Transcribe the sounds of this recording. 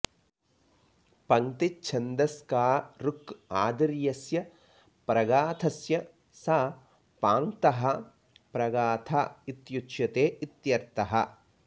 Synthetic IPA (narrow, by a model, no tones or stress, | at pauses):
pɐŋt̪it͡ʃʰɐnd̪ɐskaːɾukaːd̪ɐɾjɐsjɐ | pɾɐɡaːt̪ʰɐsjɐ | saː | paːŋt̪ɐɦɐ̆ | pɾɐɡaːt̪ʰait̪juʃjɐt̪eːit̪jɐɾt̪ɐɦɐ